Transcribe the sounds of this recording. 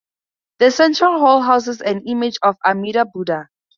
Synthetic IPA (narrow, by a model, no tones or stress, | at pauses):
ðəsɛ̃ntʰɹalɦolɦaws̬ɛsɛ̃nimid͡ʒɔfamiɾabuda